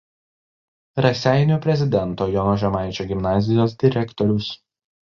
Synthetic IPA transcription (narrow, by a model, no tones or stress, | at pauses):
ɾɐsʲæˑɪnʲupʲɾʲɛzʲɪd̪ʲɛnˑt̪oːjɔnɔʒʲɛmɑˑɪt͡ʃʲoːɡʲɪmnɑːzʲɪjoːs̬d̪ʲɪɾʲɛkt̪ɔɾʲʊs